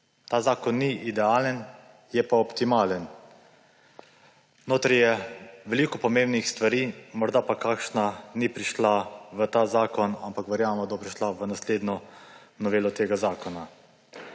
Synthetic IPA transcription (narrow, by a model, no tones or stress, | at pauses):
t̪aːzaːkɔnːiʔid̪ɛaːlən | jɛpaɔpt̪imaːlən | noːt̪ɾɛjɛʋɛliːkɔpɔmeːmbnixst̪ʋaɾiːmɔɾd̪apakaːkʃnanipɾiʃlaʋət̪aːzaːkɔnampakʋɛɾjaːmmɔd̪ɔpɾiʃlaʋənasleːd̪nɔ | nɔʋeːlɔt̪eːɡazaːkɔna